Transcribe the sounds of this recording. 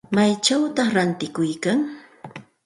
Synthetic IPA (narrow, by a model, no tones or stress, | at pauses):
majt͡ʃawt̪ɑχɾant̪ɪkʊjkaŋ